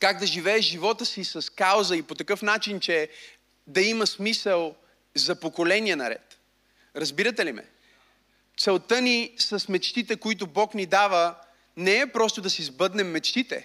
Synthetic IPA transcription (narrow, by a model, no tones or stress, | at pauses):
kaɡ̚d̪ɐʒivɛɛʒivɔt̪əsisɐskawzəipot̪ɐkɤfn̪at͡ʃint͡ʃɛ | d̪ɐiməsmisəlˠ | zɐpokolɛniɛnɐɾɛ̰t̪ | ɾɐzbiɾət̪ɛlimɛ̰ | t̪sɛlˠt̪ənisɐsmɛt͡ʃt̪it̪ɛkoit̪̬obɔknid̪avə | nɛɛpɾɔst̪od̪ɐsizbɤd̪nɛmːɛt͡ʃt̪it̪ɛ̰